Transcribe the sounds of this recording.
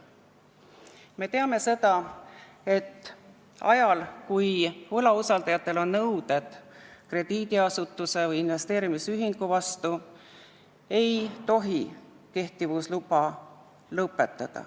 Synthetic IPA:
me̞t̪e̞ɑme̞se̞d̪̥ɑ | e̞t̪ːˑ | ɑ̰jɑlkujvɤlɑusɑld̪̥ɑjɑt̪ːˑe̞lo̞nːɤwd̪̥e̞d̪̥kre̞d̪̥iːd̪iɑsut̪ːˑuse̞vɤjinve̞st̪e̞ːɾimisyɦiŋɡuvɑst̪u | e̞jt̪o̞ɦi | ke̞ht̪ivuslubɑ | lɤpːˑe̞t̪ːˑɑd̪̥ɑ̰

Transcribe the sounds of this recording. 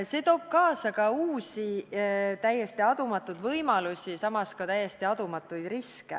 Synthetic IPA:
se̞t̪o̞ːb̥̚kɑːsɑkɑuːsʲit̪æjːest̪iɑd̪̥umɑt̪ːˑud̪vɤjmɑlusʲisɑmɑskɑt̪æjːest̪iɑd̪̥umɑt̪ːˑujd̪̥riskḛ

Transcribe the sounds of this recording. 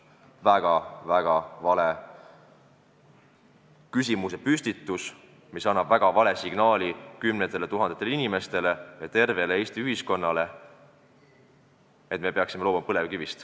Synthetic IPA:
væɡ̥ɑvæɡ̥ɑvɑle | kys̬ʲimuse̞pysʲt̪it̪ːˑus | misɑnːɑb̥væɡ̥ɑvɑle̞siɡ̥nɑːlikymnet̪ːˑe̞let̪uɦɑnd̪et̪ːˑeleinime̞st̪e̞le̞jɑt̪e̞rve̞lee̞ːst̪iyɦisko̞nːɑle̞ | et̪̚ˑme̞pe̞ɑksime̞loːbumɑpɤle̞vkivist̪

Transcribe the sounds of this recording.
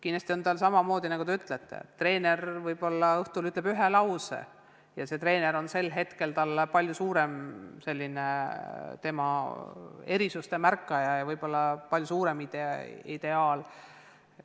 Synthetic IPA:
kin̥est̪ʲio̞nt̪ɑlsɑmɑmo̞ːd̪inɑɡ̥ut̪eyt̪ˑlet̪ːḛt̪ːre̞ːne̞ɾvɤjbo̞lːɑɤht̪ulyt̪ːˑle̥yɦelɑwsḛ | jɑse̞t̪re̞ːne̞ɾo̞nse̞lɦe̞t̪ke̞lt̪ɑlːpɑlʲjusuːɾe̞mse̞lʲːinet̪e̞mɑ | e̞ɾisust̪e̞mærkːˑɑjɑjɑvɤjb̥o̞lːɑpɑljusuːɾe̞mid̪̥eḭd̪̥e̞ɑːl

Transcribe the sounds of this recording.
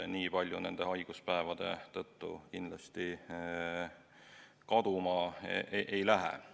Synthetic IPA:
niːpɑlʲjune̞nd̪̥e̞hɑjɡ̥uspæevɑd̪e̞̰t̪ɤt̪ːṵkinlɑst̪i | kɑd̪̥umɑeʔejlæɦɛ̰

